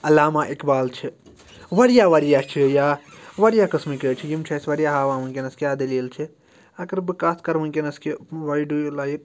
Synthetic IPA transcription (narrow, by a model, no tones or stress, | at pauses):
ɐlaːmaʔikbaːlt͡ʃʰi | ʋɐɾijaʋɐɾjat͡ʃʰijaʋɐɾijakɐsmiket͡ʃʰijimt͡ʃʰɐjsʋɐɾijaɦaːʋaɦũnkenɐskʲjad̪elielt͡ʃʰi | ɐkɐɾbikaːskɐɾmũnkenɐskeʋajɖujulajk̚